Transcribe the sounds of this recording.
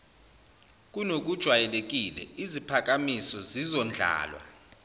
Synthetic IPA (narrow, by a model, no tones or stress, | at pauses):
k̬ʼunok̬ʼud̥ʒ̥ʱwajɛlek̬ʼilɛ̰izipʰak̬amisɔzizɔnd͡ɮʱa̰ːlwa̰